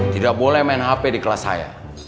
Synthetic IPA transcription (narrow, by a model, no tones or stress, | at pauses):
t̪idak̚bolɛhmaɛnɦapɛdikəlasa̰ja̰